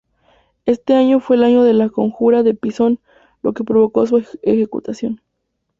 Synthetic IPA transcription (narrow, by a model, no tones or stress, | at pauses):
e̞st̪e̞aɲo̞fweːlaɲo̞ðe̞lakoŋxuɾaðe̞piso̞n | lo̞̰ke̞pɾo̞βo̞ko̞s̬uexe̞kṵt̪asjo̞n